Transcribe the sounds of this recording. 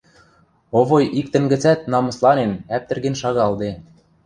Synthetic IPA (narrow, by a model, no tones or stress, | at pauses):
oβojʔik̚t̪ə̆nɡɘ̆t͡sæt̪̚nɑmɤ̆slˠɑnenæp̚t̪ɘ̆rɣĕnʃɑɣɑld̪e